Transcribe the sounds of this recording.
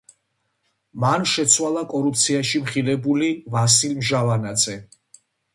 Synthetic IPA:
manʃɛt̪sʰwalˠakʼɔɾup̚t̪sʰiaʃimχilɛbulivasilmʒavanad̪zɛ

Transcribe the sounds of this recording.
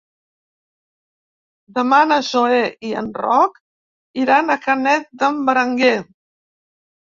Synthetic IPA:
d̪əmanəzoeʔiə̰nrɔk | iɾanəkənɛt̪̚d̪əmbəɾəŋɡe

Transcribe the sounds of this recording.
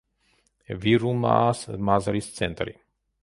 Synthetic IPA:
viɾuma̰smazaɾist̪sɛnt̪ɾḭ

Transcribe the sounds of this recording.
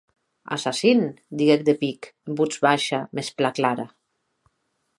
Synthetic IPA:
a̰sasind̪iɣek̚d̪epikmbud͡zβaʃamesplaklaɾa

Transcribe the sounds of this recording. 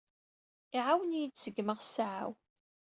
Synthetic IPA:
iʕawənijit͡ssəɡːməʁsʕa̰w

